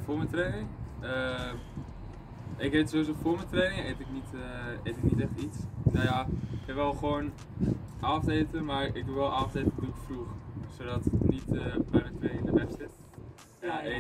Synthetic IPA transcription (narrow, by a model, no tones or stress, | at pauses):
fʊːɹmɛtrejnɪŋə | ɪkɦetsowʋizofʊːɹmɛtrejnɪŋejtɪknitəejtɪknitɛχtitsnojaɪɛpʋɛlˠχʋoːn | ʔaːfteːtəmaːɹɪk̚duʋɛlˠʔaːftetədukfruχsodɔtɪnitəbɛjmɛntreːnɪŋɪndəʋɛpsɪt | ae